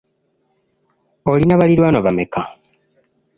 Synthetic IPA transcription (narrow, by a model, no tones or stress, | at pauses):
olinaβaliɾwaːnoβameka